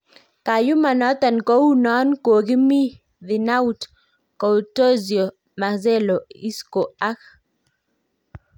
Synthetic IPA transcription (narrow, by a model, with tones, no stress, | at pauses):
ka˨ju˦ma˨nɔ˦t̪a˨nko˦u˦nɔ˦nko˨ɡi˦mi˦ | ðɪ˨na˦u˦t | kɔ˨wto˦zjo˨ | ma˨ze˦lo˨i˦sko˨a˦k